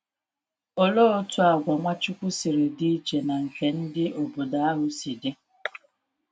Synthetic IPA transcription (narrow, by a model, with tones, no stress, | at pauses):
o˦lo˦o˦tu˦a˨ɡʷa˨ŋʷa˦t͡ʃʊ˦kʷʊ˦si˨ɾɪ˨di˦t͡ʃe˨na˨ŋ̩˨ke˨n̩˦dɪ˦ʔo˨bo˨da˦a˦ɦʊ˦si˨de˦